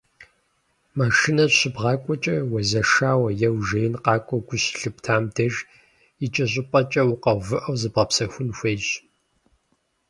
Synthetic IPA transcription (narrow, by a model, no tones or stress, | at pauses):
maʃinɐɕɪbʁɑːkʷʼɔt͡ʃʼɐwɐzɐʂaːwɐjɛwʒeːjnqɑːkʷʼɔɡʷʊɕɬɨptʰaːmdɐʒ | it͡ʃʼɐɕʼɪpʼɐt͡ʃʼɐwʊqɐvɨʔɐwzɨbʁɐpsɐxʷʊnxʷejɕ